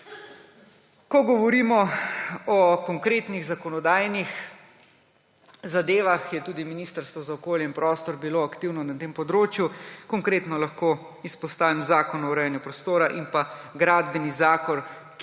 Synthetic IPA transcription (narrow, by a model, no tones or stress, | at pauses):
kɔɡɔʋɔɾiːmɔ | ɔkɔŋkɾeːt̪niɣzakɔnɔd̪aːjnix | zad̪eːʋaxjɛt̪uːd̪iminiːst̪əɾst̪ʋɔzaɔkoːljɛinpɾɔːst̪ɔɾbiloːakt̪iwnɔnat̪eːmpɔd̪ɾoːt͡ʃjukɔŋkɾeːt̪nɔlaxkoː | ispɔst̪aːʋimzaːkɔnɔwɾɛjɛnjupɾɔst̪oːɾaʔimpaɡɾaːd̪bɛnizaːkɔɾ